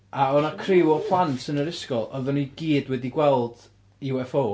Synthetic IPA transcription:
aɔnakʰrɪwɔpʰlˠantʰənəɾɪskɔlˠʔɔðɔniɡ̥iːdwɛdiɡwɛlˠd̥ | iwɛfo

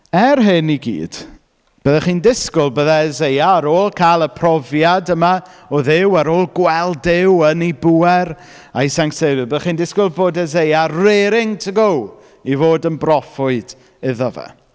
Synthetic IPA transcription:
ɛrɦɪniɡḭːd̥ | b̥əðɛχiːndɪskʊlˠbəðaɛzejaɾoːlˠkʰaːlˠəpʰrɔvjadəmaɔðɪwaɾoːlˠɡwɛlˠdɪwənibuɛr | aisaŋktsevɪbəðaχiːndɪskʊlˠvoːdɛzejareɾɪŋtʰəɡow | ivoːdənbrɔfʊɨd̥ | ɪðɔvɛ̰

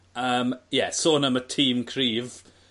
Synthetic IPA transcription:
əːmjɛsoːnəmətʰiːmkʰr̥iːv

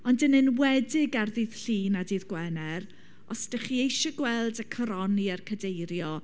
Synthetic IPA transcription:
ɔndənɨnwɛdɪɡarðiːð̥ɬiːnadiːðɡwɛnɛɾ | ɔsd̥ɛχiejʃɔɡwɛlˠdakʰɔɾɔniarkʰədejɾjɔ

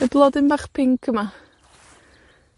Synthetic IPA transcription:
əblˠɔdɪnbaχpʰɪŋkʰəma

